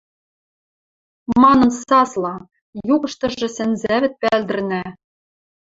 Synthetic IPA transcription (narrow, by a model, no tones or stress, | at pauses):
mɑnɤ̆nsɑslɑ | juɣɤ̆ʃt̪ɤ̆ʒɤ̆sænzæβɘ̆t̪̚pæld̪ɘ̆rnæ